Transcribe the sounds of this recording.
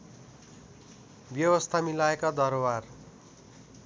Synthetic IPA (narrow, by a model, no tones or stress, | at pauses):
bjʌwʌst̪ʰamilaekad̪ʌɾowar